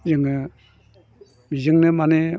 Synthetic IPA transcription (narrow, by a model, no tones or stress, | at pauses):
zɯŋɯ | mizɯŋnɯmane